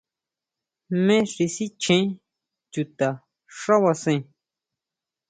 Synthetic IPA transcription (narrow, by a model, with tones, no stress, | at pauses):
mẽ˦ʂi˧si˦t͡ʃʰẽ˦ | t͡ʃu˨t̪a˨ | ʂa˦wa˧sẽ˧˨